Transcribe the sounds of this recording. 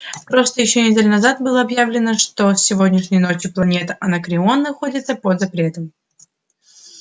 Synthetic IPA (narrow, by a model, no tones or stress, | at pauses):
pɾo̞st̪əjɪɕːonʲɪdʲelʲʊnɐzat̪̚bɨlˠəɐbjavlʲɪnəʂt̪ofsʲɪvo̞dʲnʲɪʂnʲɪjəno̞t͡ɕjɪplˠɐnʲe̞t̪əʔɐnakɾʲɪo̞nːɨxo̞dʲɪt̪səpod̪zɐpɾʲe̞t̪əm